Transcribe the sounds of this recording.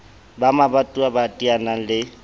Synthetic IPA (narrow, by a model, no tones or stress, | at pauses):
bamabatʼuabatʼianaŋ̩lɪ